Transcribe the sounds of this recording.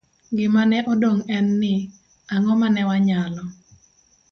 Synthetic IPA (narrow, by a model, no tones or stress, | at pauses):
ɡɪmanɛʔɔdoŋɛnːɪ | aŋɔmanɛwaɲalɔ